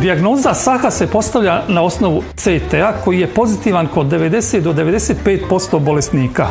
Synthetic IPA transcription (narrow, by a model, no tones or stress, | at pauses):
d̪iaɡno̞ːzasaxase̞po̞st̪aʋʎʲanao̞sno̞ʋut̪set̪eako̞jijepo̞zit̪iːʋanko̞d̪ːe̞ʋe̞d̪e̞seːt̪d̪od̪eʋe̞d̪eseːt̪peːt̪po̞st̪o̞bo̞le̞st̪niːka